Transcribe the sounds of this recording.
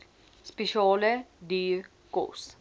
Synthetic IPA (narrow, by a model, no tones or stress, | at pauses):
speʃɑːlədiːɾ | ko̰s